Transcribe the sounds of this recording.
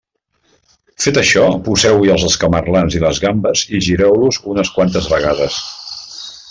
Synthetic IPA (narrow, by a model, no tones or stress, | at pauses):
fet̪əʃɔpuzɛwiəlˠzəlˠskəmərlanziləzɣambəziʒiɾɛwluzunəskwant̪əzβəɣaðəs